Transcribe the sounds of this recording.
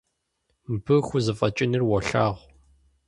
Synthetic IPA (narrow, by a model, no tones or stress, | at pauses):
mbɨxʷʊzɨfʼɐt͡ʃʼɪnɨrwɔɬaːʁʷ